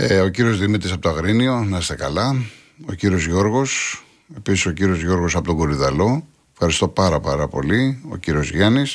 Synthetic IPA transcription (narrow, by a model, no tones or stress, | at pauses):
eociɾio̞zðimit̪isɐpot̪ɐɣɾinio̞nɐst̪e̞kɐlɐ | ociɾio̞zʝo̞ɾɣo̞s | e̞pisiso̞ciɾio̞zʝo̞ɾɣo̞sɐpo̞t̪o̞ŋɡo̞liðɐlo̞ | efxɐɾist̪o̞pɐɾɐpɐɾɐpo̞̰lio̞̰ciɾio̞zʝɐnis